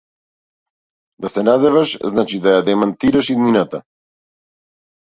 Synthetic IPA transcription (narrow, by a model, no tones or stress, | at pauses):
d̪asɛnad̪ɛvaʃznat͡ʃid̪ajad̪ɛmant̪iɾaʃid̪ninat̪a